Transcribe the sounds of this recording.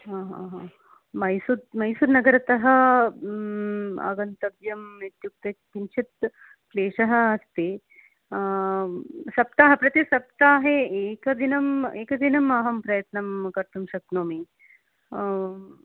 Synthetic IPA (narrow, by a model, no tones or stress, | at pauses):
ɦãːɦa̰ːɦãː | mɐjsut̪mɐjsuːɾnɐɡɐɾɐt̪ɐɦɐ̆ | a̰ɡɐnt̪ɐbjɐmit̪juk̚t̪ɐpint͡ʃʰit̪̚ | pleːʂɐɦɐ̆ɐst̪eː | sɐp̚t̪aːɦɐpɾɐt̪esɐp̚t̪aːɦeeːkɐd̪inɐmeːkɐd̪inɐmɐɦɐmpɾɐjɐt̪nɐmkɐɾt̪umʃɐk̪̚noːmi